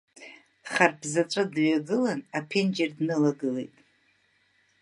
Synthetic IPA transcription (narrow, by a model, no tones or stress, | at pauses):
χarpʰzat͡ʃʷʼadɥaɡɨlanapʰend͡ʒerdnɨlaɡɨle̞jtʼ